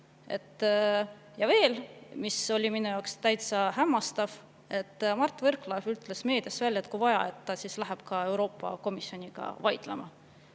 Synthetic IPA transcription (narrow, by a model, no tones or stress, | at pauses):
e̞̰t̪ːˑ | jɑve̞ːlmiso̞lʲiminujɑwkst̪æjt̪sɑhæmːɑst̪ɑv | e̞t̪ːˑmɑrt̪ːˑvɤrklɑevyt̪ːˑle̞sme̞ːd̪̥esvælʲːjet̪ːkujvɑjɑ̰e̞t̪ːɑsislæɦeb̥kɑe̞wɾo̞ːpːɑ̰ko̞misjo̞nʲiɡ̥ɑ̰vɑjd̪̥lḛmɑ̰